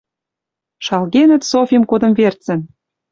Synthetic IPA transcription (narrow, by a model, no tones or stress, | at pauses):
ʃɑlɣenə̆t̪sofʲimkod̪ə̆mvert͡sə̆n